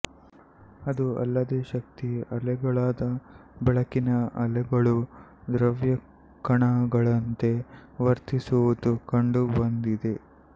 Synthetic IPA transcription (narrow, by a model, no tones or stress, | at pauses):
ɐd̪uɐ̰lːɐd̪eːʃɐk̚t̪iɐlɛɡɐɭaːd̪ɐbɛɭɐkinɐɐlɛɡɐɭud̪ɾɐʋjɐ | kɐɳaːɡɐɭɐnt̪e̞ʋɐɾt̪isuʋud̪ukɐɳɖubɐnd̪id̪e̞